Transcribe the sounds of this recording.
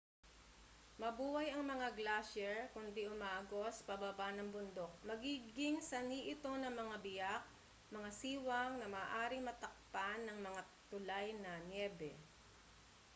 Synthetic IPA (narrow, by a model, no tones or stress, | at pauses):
mɐbuːhɐjɐŋmɐŋaɡlaʃɛɹkʊnd̪iʔʊmaːʔɐɡo̞sɐ̥pɐbabanɐŋbʊnd̪o̞k̚mɐɡiːɡɪŋsɐniʔɪt̪o̞nɐŋmɐŋabɪjak̚ | mɐŋasiːwɐŋnɐmaːʔaːɾɪŋmɐt̪ɐk̚panːɐŋmɐŋa | t̪ʊlajnɐnjɛːbɛ